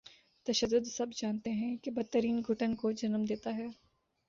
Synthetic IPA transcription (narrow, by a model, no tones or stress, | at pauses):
t̪ɐʃəd̪ːʊd̪sɐbd͡ʒaːnt̪eɦɛ̃kebɐt̪ːəɾiːnɡʱʊʈənkod͡ʒɐnəmd̪eːt̪aɦɛː